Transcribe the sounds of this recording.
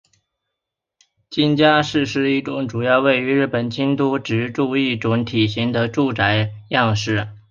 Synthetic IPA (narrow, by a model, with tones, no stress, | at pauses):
t͡ɕi˥nt͡ɕja˥ʂɻ̩˥˧ʂɻ̩˥˧i˥˩ʈ͡ʂʊ˧˥ŋʈ͡ʂu˨˩jɑ˥˧ʊwe˥˩ɪy˧˥ɻɻ̩˥˩pə˨˩nt͡ɕʰi˥nt̪u˥ʈ͡ʂɻ̩˧˥ʈ͡ʂu˥˧i˥˩ʈ͡ʂʊ˧˥ŋt̪ʰi˨˩ɕi˧˥ŋd̪ə˧ʈ͡ʂu˥˩ʈ͡ʂa˧˥ɪjɑ˥˧ŋʂɻ̩˥˩